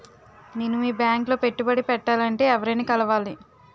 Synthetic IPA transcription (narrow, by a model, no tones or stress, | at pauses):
nenːuiːbjaːŋklo̞ːpe̞ʈːubɐɽipɛʈːaːlɐɳʈe̞ːɛʋɐɾɐnikɐlɐʋaːli